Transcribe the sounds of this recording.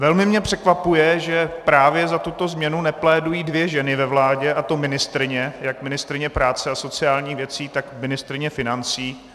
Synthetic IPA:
vɛlmɪmɲɛpr̥ɛkvapujɛʒɛpɾaːvjɛzat̪ut̪o̞zmɲɛnunɛplɛːdujiːdvjɛʒɛnɪvɛvlaːɟɛʔat̪o̞mɪnɪst̪ɾɪɲɛjakmɪnɪst̪ɾɪɲɛpɾaːt͡sɛaso̞t͡sɪaːlɲiːxvjɛt͡siːt̪akmɪnɪst̪ɾɪɲɛfɪnant͡siː

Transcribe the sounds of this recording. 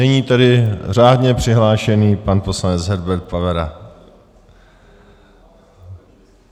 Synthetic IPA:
ɛɲiːt̪adɪr̝aːdɲɛpr̥ɪɦlaːʃɛniːpanpo̞slanɛt͡sɦɛɾbɛɾt̪̚pavɛɾa

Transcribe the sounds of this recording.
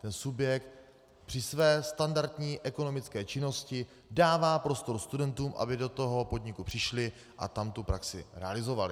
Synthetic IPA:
t̪ɛnsubjɛk̚t̪̚ | pr̥ɪsvɛːst̪andaɾt̪ɲiːʔɛko̞no̞mɪt͡skɛːt͡ʃɪno̞scɪ | daːvaːpɾo̞st̪o̞ɾust̪udɛnt̪uːmʔa̰bɪdo̞t̪o̞ɦo̞po̞dɲɪkupr̝̥ɪʃlɪ | ʔa̰t̪amt̪upɾaksɪɾɛa̰lɪzo̞valɪ

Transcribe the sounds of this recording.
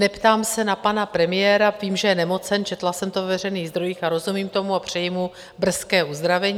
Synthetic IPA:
nɛpt̪aːmsɛnapanapɾɛmɪjɛːɾaviːmʒɛjɛnɛmo̞t͡sɛnt͡ʃɛt̪lasɛmt̪ovɛvɛr̝ɛjniːɣzd̪ɾo̞jiːxaɾo̞zumiːmt̪o̞muapr̝̥ɛjɪmu | br̩skɛːuzd̪ɾavɛɲː

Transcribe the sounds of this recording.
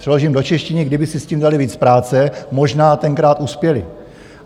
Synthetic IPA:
r̥ɛlo̞ʒiːmdo̞t͡ʃɛʃcɪnɪɡdɪbɪsɪsciːmdalɪviːt͡spɾaːt͡sɛmo̞ʒnaːt̪ɛŋkɾaːt̪ʔuspjɛlɪ

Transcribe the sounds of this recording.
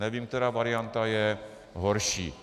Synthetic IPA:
nɛʋiːmk̚t̪ɛɾaːʋaɾɪjant̪ajɛ | ɦoɾʃḭː

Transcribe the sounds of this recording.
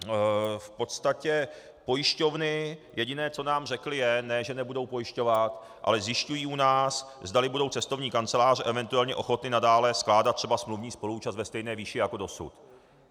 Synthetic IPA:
fpo̞t̪st̪acɛ | po̞jɪʃco̞vnɪjʔɛɟɪnɛːt͡so̞naːmrɛklɪjɛnɛʒɛnɛbudo̞wpo̞jɪʃco̞vat̪ | ʔa̰lɛzjɪʃcujiːʔunaːs | zdalɪbudo̞wt͡sɛst̪o̞vɲiːkant͡sɛlaːr̝ʔɛvɛnt̪uɛlɲɛʔo̞xo̞t̪nɪnadaːlɛsklaːdat̪t̪ːr̝ɛbasmluvɲiːspo̞luuːt͡ʃast̪vɛst̪ɛjnɛːviːʃɪjako̞do̞sṵt̪

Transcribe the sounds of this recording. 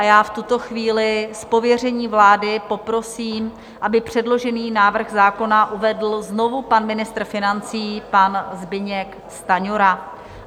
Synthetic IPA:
ʔajaːft̪ut̪o̞xviːlɪspo̞vjɛr̝ɛɲiːvlaːdɪpo̞pɾo̞siːm | ʔabɪpr̝̥ɛdlo̞ʒɛniːnaːvr̩ɣzaːko̞naʔuvɛdl̩zno̞vupanmɪnɪst̪ɾr̩fɪnant͡siːpanzbɪɲɛk | st̪aɲoɾa

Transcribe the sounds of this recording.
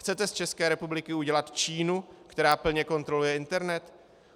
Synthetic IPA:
xt͡sɛt̪ɛst͡ʃɛskɛːɾɛpublɪkɪuɟɛlat̪t͡ʃiːnukt̪ɛɾaːpl̩ɲɛko̞nt̪ɾo̞lujɛɪnt̪ɛɾnɛt̪

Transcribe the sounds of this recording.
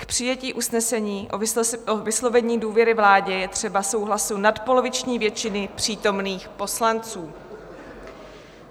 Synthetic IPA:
kpr̝̥ɪjɛciːʔusnɛsɛɲiːʔovɪslo̞vɛɲiːduːvjɛɾɪvlaːɟɛjɛt̪r̝̥ɛbaso̞wɦlasunat̪po̞lo̞vɪt͡ʃɲiːvjɛt͡ʃɪnɪpr̝̥iːt̪o̞mniːxpo̞slant͡suː

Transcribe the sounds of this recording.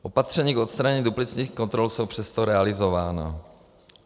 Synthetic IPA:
ʔo̞pat̪r̥ɛɲiːkʔot̪st̪ɾaɲɛiːduplɪt͡sɲiːxkont̪ɾolsowpr̥ɛst̪oɾɛalɪzovaːna̰

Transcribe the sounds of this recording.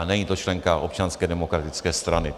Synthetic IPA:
nɛɲiːt̪ot͡ʃlɛŋkaʔo̰p̚t͡ʃanskɛːdɛmokɾat̪ɪt͡skɛːst̪ɾanɪ

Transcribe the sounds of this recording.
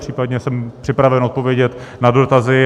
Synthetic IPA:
r̝iːpadɲɛsɛmpr̥ɪpɾavɛnʔot̪̚po̞vjɛɟɛt̪nado̞t̪azɪ

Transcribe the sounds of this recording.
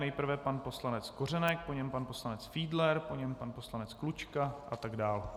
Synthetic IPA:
nɛjpr̩vɛpanpo̞slanɛt͡sko̞r̝ɛnɛk̚poɲɛmpanpo̞slanɛt͡sfiːdlɛɾpo̞ɲɛmpanpo̞slanɛt͡sklut͡ʃkaʔat̪aɡdaːl

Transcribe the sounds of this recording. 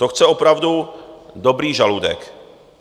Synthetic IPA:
t̪oxt͡sɛopɾavdudo̞bɾiːʒaludɛ̰k

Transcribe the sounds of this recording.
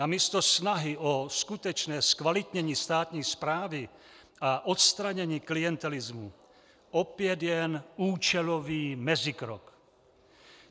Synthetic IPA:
amiːst̪o̞snaɦɪʔoskut̪ɛt͡ʃnɛːskvalɪt̪ɲɛɲiːst̪aːt̪ɲiːspɾaːvɪ | aʔot̪st̪ɾaɲɛɲiːklijɛnt̪ɛlɪzmu | opɪjɛd̪jɛnuːt͡ʃɛloviːmɛzɪkɾo̰k

